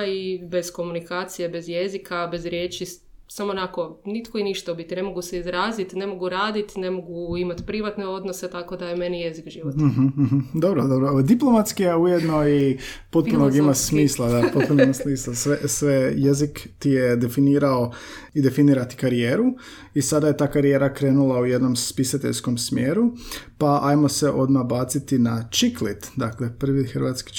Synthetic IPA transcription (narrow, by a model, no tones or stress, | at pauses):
ibe̞zko̞munikaːt̪sijebe̞zjezikabe̞zɾjeːt͡ʃi | samoːnako̞nit̪koiniʃt̪aubit̪ine̞moɡuseizɾaːzit̪ne̞mo̞ɡuɾaːd̪it̪ne̞mo̞ɡuimat̪pɾiʋat̪neo̞d̪nose̞t̪ako̞d̪ajeme̞nijezikʒiːʋot̪ːɦm̩ːɦm̩d̪obɾod̪obɾod̪iplˠomat̪skijeujed̪noi | po̞t̪̚punoɡimasmiːslˠad̪apot̪punoimasmiːslˠasʋesʋejezikt̪ijed̪e̞finiːɾaoid̪e̞finiːɾat̪i̥kaɾijeːɾu | isad̪aje̞t̪aːkaɾijeːɾakɾe̞ːnulˠauje̞d̪no̞mspisat̪eʎsko̞msmjeːɾupaajmo̞se̞ʔo̞d̪mabaːt̪sit̪inat͡ʃiklit̪d̪akle̞pɾ̩ʋixəɾʋat̪ski̥